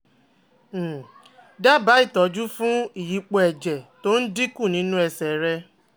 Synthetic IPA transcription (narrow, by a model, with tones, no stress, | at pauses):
da˦ba˨˦i˦˨tɔ˨˦d͡ʒu˦fũ˦i˨ji˨˦k͡po˨˦ɛ˨d͡ʒɛ˨to˦n̩˦di˦ku˦˨nĩ˦nũ˦ɛ˧sɛ˨ɾɛ˦